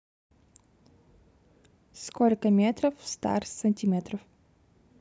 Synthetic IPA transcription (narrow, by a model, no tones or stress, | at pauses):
skolʲkəmʲet̪ɾəfst̪a̰rsənʲtʲimʲet̪ɾəf